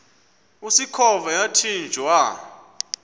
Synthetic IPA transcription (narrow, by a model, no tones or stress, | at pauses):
usikʰɔvajatʰind͡ʒʱwa